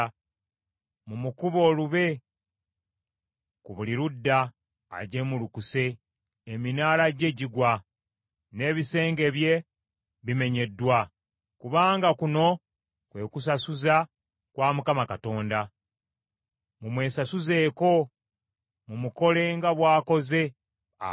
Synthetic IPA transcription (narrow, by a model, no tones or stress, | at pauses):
mumukuβo̞ːluβe̞ | kuβuliɾudːa̰ː | ɟe̞mulukuse̞ː | minaːlaɟe̞ɟiɡwa | ne̞ːβise̞ːŋɡe̞βje̞ | βime̞ɲe̞dːwa | kuβaːŋɡakuno̞ | kwe̞ːkus̬asuza | kwaːmukamakato̞ːnda | mumwe̞ːsasuze̞ːko̞ | mumuko̞le̞ŋɡaβwaːko̞ze̞